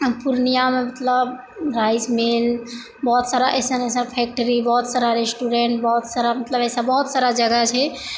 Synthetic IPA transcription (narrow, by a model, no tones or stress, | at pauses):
puɾnijamemət̪ləb | ɾajsmel | bɔɦt̪saɾaʔesənesə̃pʰɛk̚ʈəɾibɔɦt̪saɾaɾesʈuɾẽɳʈbɔɦut̪saɾamət̪ləbesãbɔɦut̪saɾad͡ʒəɡat͡ʃʰɛ